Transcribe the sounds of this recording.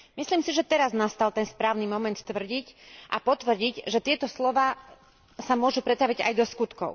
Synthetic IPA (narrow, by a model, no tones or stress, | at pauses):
misliːmsiʒɛt̪ɛɾaznast̪alt̪ɛnspɾaːʊnimɔmɛnt̪t̪ʋr̩ɟicʔapɔt̪ʋr̩ɟiɟʒɛt̪ɪɛt̪ɔslɔʋaː | samʊɔʒupɾɛt̪t̪aʋiɟa̰jd̪ɔskut̪kɔ̰ʊ